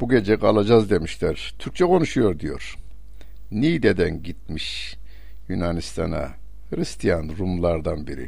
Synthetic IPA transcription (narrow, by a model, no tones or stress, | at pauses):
b̥uɡʲe̞d͡ʒɛkalˠad͡ʒazd̪e̞miʃlʲæɾ̥t̪ʰyɾk̚t͡ʃʰɛkʰo̞nuʃujo̞ɾd̪ijo̞̰ɾ̥ | nid̪ed̪ænɟit̪̚miʃ | jynanist̪ʰa̰na̰ | hɾist̪ʰijanɾumlˠaɾd̪anbiɾḭ